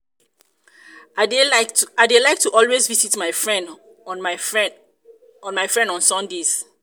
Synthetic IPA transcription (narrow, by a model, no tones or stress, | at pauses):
adelaɪk̚tʰuʔɔlwezvisitmaɪfɹɛ̃nd | ɔ̃nmaɪfɹɛ̃ndɔ̃nsɔ̃ndez̥